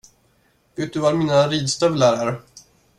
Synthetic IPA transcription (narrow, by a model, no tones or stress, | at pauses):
ɡ̥ɪt̪̚d̪ɵvaɾmiːnaɾiːd̪st̪œvlæɾaɾ